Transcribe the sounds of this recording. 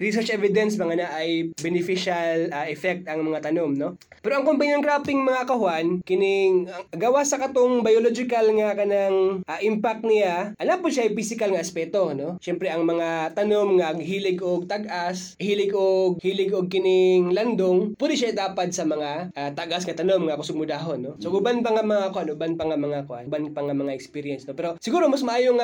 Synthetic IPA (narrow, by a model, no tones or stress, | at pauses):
ɹisɛɹt͡ʃʔɛvɪd̪ɛnsmɐŋɐnaʔɐjbɛnɪfiʃalaʔɛfɛk̚t̪ɐŋmɐŋat̪ɐnomno̞ | pɛːɾoʔɐŋkompejnonkɾat̪ɪŋmɐŋakɐhwankɪnɪŋɐɡɐwasɐkɐt̪oŋbɐjolod͡ʒɪkɐlŋɐkɐnaŋʔaʔɪmpak̚t̪̚nɪlaʔɐnapʊʃaʔɐjfisɪkɐlŋɐɐspɛːt̪o̞noʃɛmpɾɛʔɐŋmɐŋat̪ɐnomŋɐɡɦiːlɪɡʔoɡ̚t̪ɐɡʔas | hiːlɪɡʔoɡ̚hiːlɪɡoɡ̚kɪnɪŋlɐnd̪oŋpwɛːd̪ɪʃaʔɪt̪aːpɐd̪̚sɐmɐŋaʔaːt̪aɡʔasŋɐt̪ɐnomŋɐkʊsʊɡ̚mʊd̪aːɦonːosoɡʊbanpɐŋamɐŋaʔkoʔanʊbanpɐŋamɐŋakoʔa̰nbanpɐŋamɐŋaʔɛkspiːɾjɛnsnopɛːɾo̞sɪɡuːɾo̞mɐsmɐʔaːjoŋ